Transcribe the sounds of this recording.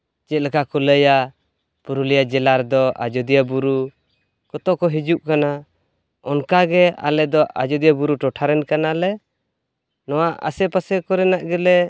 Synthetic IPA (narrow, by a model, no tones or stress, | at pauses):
d͡ʒɛt̪̚lɛkakɔləja | puɾulijad͡ʒɛlaɾd̪ɔa̰d͡ʒɔd̪ijabuɾu | kɔt̪ɔkɔɦid͡ʒuʔkana | ɔnkaɡɛa̰lɛd̪ɔʔad͡ʒɔd̪ijabuɾuʈɔʈʰaɾɛnkanalɛ | nɔwaʔa̰sɛpasɛkɔɾɛnaʔɡɛlɛ